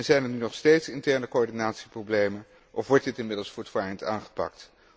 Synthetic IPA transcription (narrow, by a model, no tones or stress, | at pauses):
nzɛjnɛɹnynɔχstejtsɪntɛɹnəkoɔɹdinaːtsiprowblejmən | ʔɔfʋɔɹt̚dɪtɪnmɪdəlˠsfuɹtʋaːjənta̰ːnχə̥pɑ̰kt